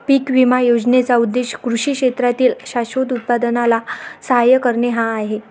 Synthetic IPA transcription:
pikʋimajod͡znet͡saud̪ːeɕkɾuɕiːkɕet̪ɾat̪iːlɕaɕod̪ut̪̚pad̪ənalasəɦajəkəɾɳeɦãːɦe

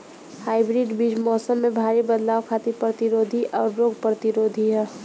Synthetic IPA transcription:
haːɪbɾiɖbid͡ʒmɔːsəmːẽbʱaːɾibəd̪laːʋkʰat̪ipɾət̪iɾoːd̪ʱiʔɔːɾːoːɡ̚pɾət̪iɾoːd̪ʱiɦɛː

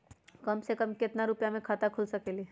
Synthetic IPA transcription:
kɐmsekɐmkɪt̪naɾʊpjamẽkʰaːt̪akʰʊlsɐkelieː

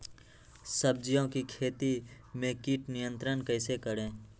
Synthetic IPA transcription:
səb̚d͡ʒijõkikʰeːt̪i | mẽkiːʈnɪjə̃nt̪ɾənkəɪsekəɾẽː

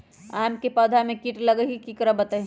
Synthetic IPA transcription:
aːmkepəd̪ʱamẽkiʈləɡəɦikikəɾəbət̪ə

